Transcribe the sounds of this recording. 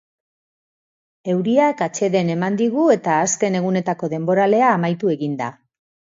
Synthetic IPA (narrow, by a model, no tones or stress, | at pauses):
e̞wɾiakat͡ʃe̞ðe̞ne̞mand̪iɣ̞ue̞t̪aːske̞ne̞ɣ̞une̞t̪ako̞ðe̞mbo̞ɾale̞aːmajt̪ue̞ɣind̪a̰